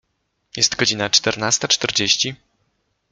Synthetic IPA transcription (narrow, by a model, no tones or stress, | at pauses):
jɛst̪ɡɔd͡ʑinat͡ʂt̪ɛɾnast̪at͡ʂt̪ɛɾd͡ʑeɕt͡ɕi